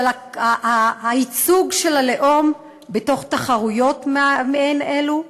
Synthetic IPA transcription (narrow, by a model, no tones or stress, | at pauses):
laaaːit͡suɡʃe̞lale̞ʔo̞m | beto̞χtaχaʁujo̞tmmeenelu